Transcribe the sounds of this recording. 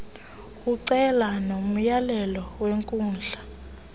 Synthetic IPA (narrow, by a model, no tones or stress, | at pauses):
kuǀɛlanom̩jalɛlɔweŋkʼuːnd͡ɮʱa